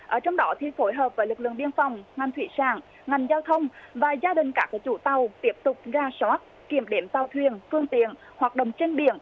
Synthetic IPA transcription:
ʔəː˧˩t͡ɕɔ˧wŋ͡mɗɔ˨˦t̪ʰi˨˩fo˨˦jɦəː˨˩p̚vəː˨˦jlɨ˨˩k̚lɨ̰˧˨əŋɓi˧ənfɔ˨˩wŋ͡mŋa˨˩jŋ̟t̪ʰwḭ˧˩saː˧˩ŋ | ŋa˨˩jŋ̟zaː˧wt̪ʰə˧wŋ͡mvaː˨˩zaː˧ɗï˨˩ŋ̟kaː˦˥kaː˨˦˥t͡ɕu˧˩t̪a˨˩wt̪i˦˥əp̚t̪ʊ˨˩k͡p̚zaː˧swaː˦˥t̚ki˧˩əmɗe˨˦mt̪a˨˩wt̪ʰwi˨˩ənfɨ˧əŋt̪ḭ˧˨ən | hwaː˨˩ɗə̰˧˨wŋ͡mt͡ɕe˧ŋɓḭ˧˩˨ən

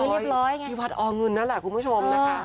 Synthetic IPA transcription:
ɾi˥˩p̚ɾɔː˦˥jŋ˥i˧˩wa˦˥t̪̚ʔɔː˧˩ŋɤ˧nːa˦˥lɛ˨˩kʰu˧nmʰu˦˥˩t͡ɕʰo˧mː˦˧˥

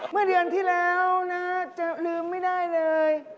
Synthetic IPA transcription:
mɯ˥˩ɐdɯ˧ənt̪ʰiː˥˩lɛː˦˥wna˦˥t͡ɕa˨˩lɯː˧mːa˥˩jdaː˥˩jlɤː˧j

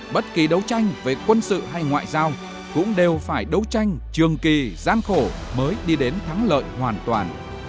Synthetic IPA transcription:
ɓə˦˥t̚ki˨˩ɗə˨˦wt͡ɕa˧jŋ̟ve˨˩kwə˧nsɨ̰˧˨ɦa˧jŋwa̰ː˧˨jzaː˧w | kʊ̰˧˥ŋ͡mɗe˨˩wfaː˧˩jɗə˨˦wt͡ɕa˧jŋ̟t͡ɕɨ˨˩əŋki˨˩zaː˧nxo˧˩məː˨˦jɗi˧ɗe˨˦nt̪ʰa˨˦ŋlə̰ː˧˨jhwaː˨˩nt̪waː˨˩n

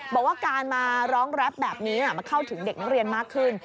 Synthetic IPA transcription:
bɔː˨˩k̚waː˥˩kaː˧nmaː˧ɾɔː˦˥ŋɾa˦˥p̚bɛː˨˩p̚niː˦˥ʔa˦˩maː˧kʰa˥˩wt̪ʰɯ˩˦ŋde˨˩k̚na˦˥k̚ɾi˧ənmaː˥˩kʰːɯ˥˩n

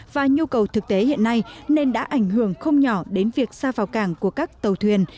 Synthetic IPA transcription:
vaː˨˩ɲu˧kə˨˩wt̪ʰɨ˨˩k̚t̪e˨˦hḭ˧˨ənːa˧jne˧nɗa̰ː˧˥ʔa˧˩jŋ̟ɦɨ˧˩əŋxə˧wŋ͡mɲɔ˧˩ɗe˨˦nvi˨˩ək̚saː˧vaː˨˩wkaː˧˩ŋku˧˩əkaː˦˥k̚t̪ə˨˩wt̪ʰwi˨˩ən

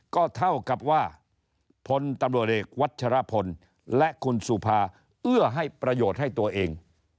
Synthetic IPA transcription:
kɔː˥˩t̪ʰa˥˩wka˨˩p̚waː˥˩ | pʰo˧nt̪a˧mɾu˨˩ət̪̚ʔeː˨˩k̚wa˦˥t̪̚t͡ɕʰa˧ɾa˦˥pʰo˧n | lɛ˦˥ʔkʰu˧nsu˨˩pʰaː˧ | ʔɯ˥˩ɐɦa˥˩jpɾa˧joː˨˩t̪̚ha˥˩jt̪u˧ɐʔeː˧ŋ

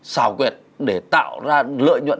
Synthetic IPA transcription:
saː˧˩wkwɛ˨˩t̚ɗe˧˩t̪a̰ː˧˨wzaː˧lɨ̰ː˧˨jɲwə̰˧˨

